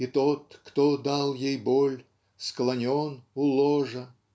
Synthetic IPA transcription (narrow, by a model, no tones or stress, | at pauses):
it̪ot̪kt̪od̪alˠjejbolʲ | sklˠɐnʲonʊlˠoʐə